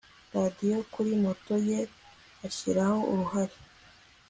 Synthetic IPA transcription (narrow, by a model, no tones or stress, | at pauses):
ɾadijo̞kuɾimo̞to̞je̞ | açiɾaho̞ṵɾuhaɾe